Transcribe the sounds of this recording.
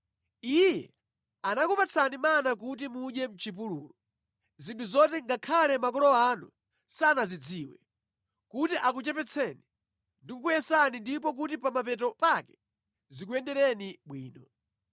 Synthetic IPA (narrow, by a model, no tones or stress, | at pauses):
ijɛ̰ | anakupat͡sʰanimanak̬ut̬imuɗɛm̩t͡ʃip̬uluːlɔ | zintʰuzɔtɛŋɡakʰalɛmakɔlɔanṵ | sanazid͡ziːwɛ | kutiʔak̬ut͡ʃɛpɛt͡sʰɛni | ndikukujɛsanindipɔk̬utipamapɛtɔpakɛ̥ | zik̬uɛndɛɾɛniɓwiːnɔ